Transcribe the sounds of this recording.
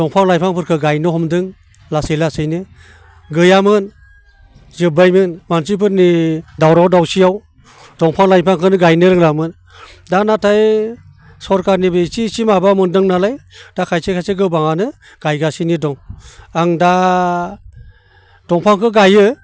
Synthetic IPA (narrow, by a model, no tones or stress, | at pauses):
dɔŋpʰaŋlajpʰaŋpʰɯɾkʰɯɡajnɯhɔmdɯŋ | lasɯjlasɯjnɯ | ɡɯjamɯn | zɯbajmɯnmansip̬ʰɯɾnidawɾawdawsijaw | d̥ɔŋpʰaŋlajpʰaŋkʰɯnɯɡajnɯɾɯŋlamɯn | danatʰaj | sɔɾkaɾnibɯsisimabamɯndɯŋnalajd̥akʰajsekʰajseɡɯbaŋanɯ | ɡ̥ajɡasinidɔŋaŋda | d̥ɔŋpʰaŋkʰɯɡajɯ